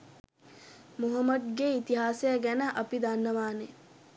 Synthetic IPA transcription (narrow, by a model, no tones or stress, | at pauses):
muɦəmːɐd̪̚ɡeit̪iɦaːsɐjəɡænəʔɐpid̪anːəʋaːne